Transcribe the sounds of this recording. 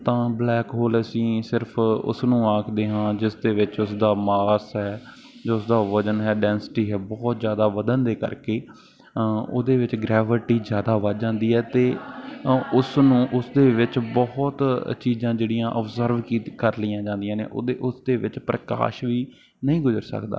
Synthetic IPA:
t̪ãːblɛːkɦoːləsĩːsɪɾpʰʊ̰snũːaːkʰd̪eːɦãːd͡ʒɪsd̪eːʋɪt͡ʃʊsd̪aːmaːsɦɛː | d͡ʒoːsd̪aːʋəd͡ʒənɦɛːɖɛːnsʈiːɦɛːbɔːt̪zjaːd̪aːʋəd̪ənd̪eːkə̰ɾkeː | o̰ːd̪eːʋɪt͡ʃɡɾɛːʋɪʈiːzjaːd̪aːʋət̪d͡ʒãːnd̪iːɦɛːt̪eː | ʊsnũːʔʊsd̪eːʋɪt͡ʃbɔːt̪t͡ʃiːzãːd͡ʒeːɽijãːʔəbzəɾʋkikəɾlijãːd͡ʒãːnd̪ɪjãːnḛːʔo̰ːd̪eːʔʊsd̪eːʋɪt͡ʃpɾəka̰ːʃʋiː | nəɦĩːɡʊzəɾsə̰kd̪a̰ː

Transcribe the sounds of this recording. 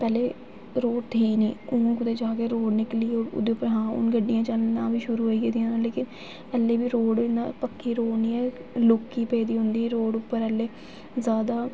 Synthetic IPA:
pɛːleː | ɾoːʈt̪ʰiːniːʊ̃ːkʊd̪eːd͡ʒaːkeːɾoːɽnɪkliːoːɾʊ̰d̪eːʊpːəɾɦãːʊ̰nɡəɖːɪjãːt͡ʃəlnãːbiːʃʊɾuːɦoːiːɡeːd̪ijãːnãːleːkɪn | ɛːlːeːbiːɾoːɽna̰ːpəkːiːɾoːɽniːɛːlʊkːiːpɛːd̪iːɦʊ̃nd̪iːɾoːɽʊpːəɾɛːlːeː | zjaːd̪aː

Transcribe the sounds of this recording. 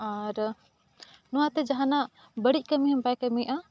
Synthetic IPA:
aɾ | nuat̪ɛd͡ʒaɦãna | bəɽic̚kəmiɦəmbajkəmiʔa

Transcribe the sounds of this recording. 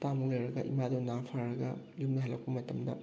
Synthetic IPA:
tamuk̚lojɾɐɡɐʔḭmadunaŋpʰaɾɐɡɐ̰ | lum̚nɐɦɐlɐk̚pɐmɐtɐmdɐ̰

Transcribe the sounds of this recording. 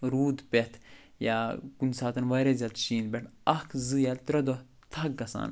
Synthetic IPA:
ɾuːd̪pʲet̪ʰ | jakunsaːt̪ɐnʋɐːɾezʲaːt̪ʃiːnd̪bʲeʈʰɐkʰzɨjat̪ɾɐd̪o | t̪ʰɐɡɡɐsa̰ːn

